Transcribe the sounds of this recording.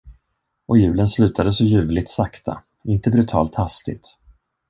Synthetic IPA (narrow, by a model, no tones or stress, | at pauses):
ɔjʉ̟ːlənslʉ̟ːt̪ʰad̪əsɔjʉ̟ːvlɪt̪sakt̪ʰa̰ | ɪnt̪əbɾɵt̪ʰɑ̰ːlt̪hast̪ɪ̰t̪